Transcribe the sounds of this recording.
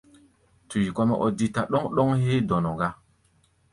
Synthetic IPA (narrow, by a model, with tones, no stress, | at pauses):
tu˨ji˨kɔ˦mɛ̰˦ʔɔ˨di˦ta˨ɗɔ˦ŋɗɔ˦ŋheː˦dɔ˨nɔ˨ɡa˦